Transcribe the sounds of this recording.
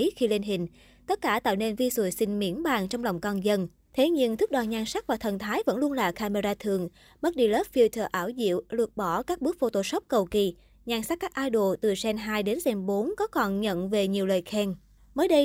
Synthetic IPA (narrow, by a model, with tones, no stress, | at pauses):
xi˧le˧nɦï˨˩ŋ̟ | t̪ə˦˥t̚kaː˧˩t̪a̰ː˧˨wne˧nvi˧sṵ˧˩jsï˧ŋ̟mḭ˧˥ənɓaː˨˩nt͡ɕwŋ͡mlɔ˨˩wŋ͡mkɔ˧nzə˧n | t̪ʰe˨˦ɲɨ˧ŋt̪ʰɨ˦˥k̚ɗɔ˨˩ɲaː˧˩nsa˦˥k̚vaː˨˩t̪ʰə˨˩nt̪ʰaː˨˦jvə̰˧˥nlu˧ənlaː˨˩kaː˧me˧zaː˧t̪ʰɨ˨˩əŋ | ɓə˦˥t̚ɗi˧ləː˦˥p̚fi˧t̪ʰəː˧˩ʔaː˧˩wzḭ˧˨əwlɨ˨˩ək̚ɓɔ˧˩kaː˦˥k̚ɓɨ˦˥ək̚fo˧t̪o˧˨sə˦˥wk͡p̚kə˨˩wki˨˩ | ɲaː˧˩nsa˦˥k̚kaː˦˥k̚ʔaː˧jɗo˧˨˩t̪ɨ˨˩sɛ˧nɦaː˧jɗe˨˦nsɛ˧mɓo˨˦nkɔ˨˦kɔ˨˩nɲə̰˧˨nve˨˩ɲi˨˩əwləː˨˩jxɛ˧n | məː˨˦jɗə˧j